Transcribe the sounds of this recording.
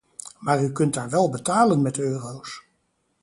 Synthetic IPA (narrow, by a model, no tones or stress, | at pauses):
maːɹykɵntaːɹʋɛlˠbətaːlənmɛtøːrows